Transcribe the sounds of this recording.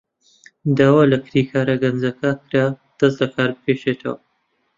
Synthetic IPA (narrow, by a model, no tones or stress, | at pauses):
d̪aːwaːlɐkʰɾiːkʰaːɾɐɡɐnzɐkakɨɾad̪̥ɐszlɐkʰaːɾbɨpʰeːʃet̪ʰɐ̰wɐ̰